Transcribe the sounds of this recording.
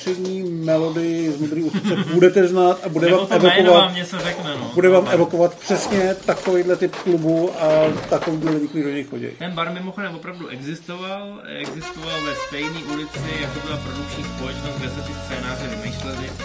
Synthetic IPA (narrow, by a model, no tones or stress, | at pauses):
r̥ɛdɲiːmɛlo̞dɪjɪzmud̪ɾiːust͡sɛbudɛt̪ɛznaːt̪abudɛvaːmɛvokovat̪mɲɛsɛɾɛkmɛnobudɛvaːmɛvo̞ko̞vat̪pr̝̥ɛsɲɛt̪akovejdlɛt̪ɪpklubuat̪akoviːdlɛlɛɲɪkioɲɛjxoɟɛ̰jt̪ɛnbaɾmɪmoxodɛmvopɾavduʔɛɡzɪst̪oval | ɛɡzɪst̪ovalnɛst̪ɛjɲiːʔulɪt͡sɪjak̚t̪obɪlapɾodukt͡ʃɲiːspolɛt͡ʃnost̪̚ɡdɛsɛt̪ɪst͡sɛːnaːrɛvɪmejʃlɛlɪ